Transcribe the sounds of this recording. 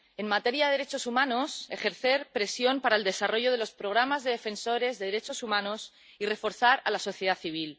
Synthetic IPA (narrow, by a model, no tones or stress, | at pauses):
e̞nmat̪e̞ɾjaðeðeɾet͡ʃo̞sumãno̞se̞xe̞ɾθe̞ɾpɾe̞sjo̞mpaɾaeld̪e̞saro̞ʝoð̞elo̞spɾo̞ɣ̞ɾamazðe̞ðe̞fe̞nso̞ɾe̞zðe̞ðeɾet͡ʃo̞sumãnos | ire̞fo̞ɾθaɾa̰laso̞θjeð̞aθiβ̞il